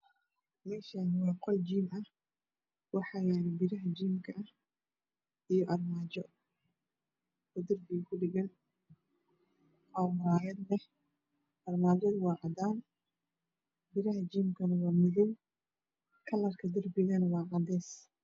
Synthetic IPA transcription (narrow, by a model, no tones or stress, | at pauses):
mɛːʃaːnɪwɑːqɔld͡ʒiːmɐh | wɑħɑjaːnɪbɪɾɐɦɐt͡ʃiːmkʰɐʔɐh | ʔijɔʔɐrmaːt͡ʃɔ | ɔːd̪ɐrbɪɣɐkʰʊɖɪɣɐn | ɔːwɐɾaːjɐd̪lɛh | ʔɐrmaːd͡ʒɔd̪wɑːʕɑd̪aːn | bɪɾɐɦɐt͡ʃiːmkʰɐnɐwɑːmɪðɪj | kʰɐlɐrkʰɐd̪ɐrbɪɣɐnɐwɑːʕɑd̪ɛːs